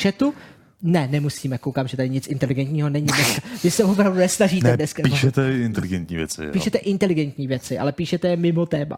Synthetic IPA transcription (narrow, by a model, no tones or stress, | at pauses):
ʃɛt̪u | nɛnɛmusiːmɛkowkaːmʒɛt̪adɪɲɪt͡sʔɪnt̪ɛlɪɡɛnt̪ɲiːɦo̞nɛɲɪdnɛskavɪsɛvopɾavdunɛsnaʒiːdnɛdnɛskapiʃɛt̪ɛɪnt̪ɛlɪɡɛnt̪ɲḭːvjɛ̰t͡sɪ̰piːʃɛt̪ɛʔɪnt̪ɛlɪɡɛnt̪ɲiːvjɛt͡sɪʔa̰lɛpiːʃɛt̪ɛjɛmɪmo̞t̪ɛːma̰